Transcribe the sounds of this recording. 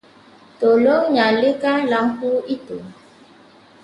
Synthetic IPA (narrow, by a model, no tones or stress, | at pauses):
toloŋɲalekalaŋkuito